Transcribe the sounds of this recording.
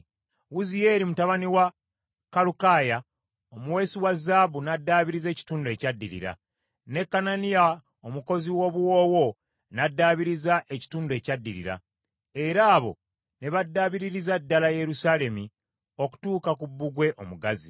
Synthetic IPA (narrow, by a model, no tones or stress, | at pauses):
wuzije̞ːɾimutaβaniwa | kalukaja | omuwe̞ːsiwazːaːβunadːaːβiɾize̞ːci̥tuːndue̞ːcadːiɾḭɾa̰ | ne̞kːananija | omuko̞ziwo̞ːβuwo̞ːwo̞ | nadːaːβiɾizaʔe̞ci̥tuːndue̞ːcadːiɾḭɾa̰ | e̞ɾaːβo̞̰ | ne̞βadːaːβiɾiɾizadːalaje̞ɾusaːle̞mi | o̞ku̥tuːkakubːuɡwe̞ʔo̞muɡazḭ